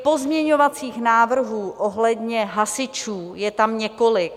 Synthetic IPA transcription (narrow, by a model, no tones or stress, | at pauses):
po̞zmɲɛɲo̞vat͡siːxnaːvr̩ɦuːʔoɦlɛdɲɛɦasɪt͡ʃuːjɛt̪amɲɛko̞lɪk̚